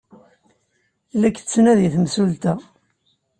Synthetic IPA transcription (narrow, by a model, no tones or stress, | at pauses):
lːækːt͡sːnæðiθmsult̪æ